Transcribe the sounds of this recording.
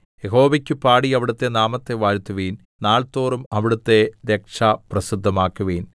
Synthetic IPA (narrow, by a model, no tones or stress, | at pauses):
jeɦo̞ːʋɐkʲːupaːɽiɐʋiɽɐt̪ːe̞naːmɐt̪ːe̞ʋaːɾt̪ːuʋiːn | naːɭt̪o̞ːrumɐʋiɽut̪ːe̞ɾekʂaprɐsid̪ʱːɐmaːkːuʋiːn